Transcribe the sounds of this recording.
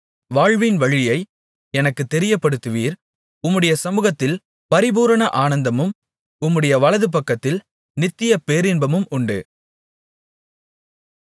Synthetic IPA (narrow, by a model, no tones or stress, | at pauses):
ʋaːɻʋɪnʋɐɻɪjɐɪ | ɛnɐkːɯt̪ːɛɾɪjɐpːɐɽɯt̪ːɯʋiːɾ | ʊmːɯɽɐjɐsɐmɯːɣɐt̪ːɪl | pɐɾɪbuːɾɐɳɐʔaːnɐnd̪ɐmɯm | ʊmːɯɽɐjɐʋɐɭɐðɯp̬ɐkːɐt̪ːɪl | nɪt̪ːɪjɐpeːɾɪnbɐmɯmʊɳɖɯ̰